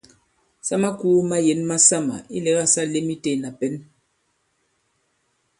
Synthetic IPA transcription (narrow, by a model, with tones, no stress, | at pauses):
sa˦ma˦ku˦ma˦je˨˦nma˦sa˦ma̰˨i˦lɛ˨˦ɣa˦sa˦le˦mi˦te˦˨na˨pɛ˦n